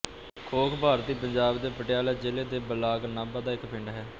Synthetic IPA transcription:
kʰoːkʰbʱaːɾt̪iːpəɲd͡ʒaːbd̪eːpəʈɪjaːleːd͡ʒeːleːd̪eːbəlaːɡnaːbaːd̪aːɪkpʰɪ̃ɳɖaːɦɛː

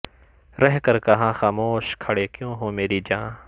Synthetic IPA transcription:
ɾɛɦkɐɾkɐɦãːxaːmoːʃkʰɐɽekjõːɦõːmeːɾid͡ʒãː

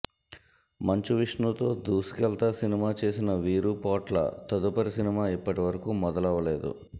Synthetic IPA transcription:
mɐɲt͡ʃuʋiʂɳut̪o̞ːd̪uːsi̥kɛlt̪ɐsinimaːt͡ʃe̞ːsinɐʋiːɾupaːʈlɐ̰t̪ɐd̪upɐɾisinimaːipːɐʈiʋɐɾɐkumɔd̪ɐlɐʋɐle̞ːd̪ṵ

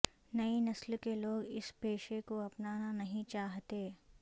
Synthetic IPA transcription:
nɐinɐslkeloːɡɪ̰speːʃekoɐpnaːnanɐɦĩt͡ʃaːɦt̪eː

